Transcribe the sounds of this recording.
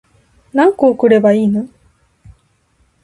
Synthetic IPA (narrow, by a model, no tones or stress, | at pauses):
nãŋkoːkɯ̟ɾe̞baiːno